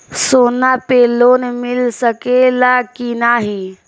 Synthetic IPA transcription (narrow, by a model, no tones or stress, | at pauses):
soːnapeːloːnemɪlsəkelakinaɦi